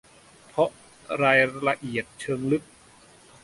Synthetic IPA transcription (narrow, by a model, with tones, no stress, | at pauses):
pʰɔ˦˥ʔ | ɾaː˧jla˧ʔi˨˩ət̪̚t͡ɕʰɤː˧ŋlɯ˦˥k̚